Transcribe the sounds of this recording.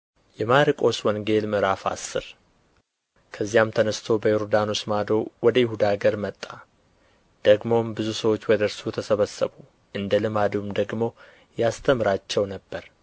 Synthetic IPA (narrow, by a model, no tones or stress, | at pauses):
jɛmaɾikʼo̞swɔŋɡe̞lmɨɾafa̰sːɨ̰ɾ | kʰəzːijamt̪ʰənəst̪ʰo̞bəjoɾd̪anosmad̪o̞wɔd̪əjɪhud̪aɡəɾmət̪ʼːa | d̪̥əɡmo̞mbɨzusəwo̞t͡ʃːwɔd̪əɾsut̪ʰəsəβəsːəβu | ʔɨnd̪əlɨmad̪umd̪əɡmo̞ | jast̪ʰəmɨɾat͡ʃːɛwnəbːəɾ